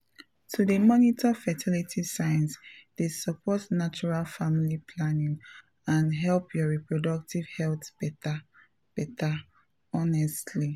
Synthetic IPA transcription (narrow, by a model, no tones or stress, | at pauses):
tʰudəmɔnitʰɔfɛtʰilitʰisaj̃nsd̥esəpɔtnat͡ʃuɹalfamilipʰlanĩŋ | ãnɦɛlpʰjɔɹipɹɔdʌk̚tʰiv̥hɛltb̥ɛta | b̥ɛtʰa | ɔnɛstʰli